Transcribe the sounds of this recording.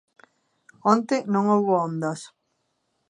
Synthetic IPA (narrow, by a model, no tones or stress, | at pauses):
ont̪ɪnõŋowβoond̪ɐs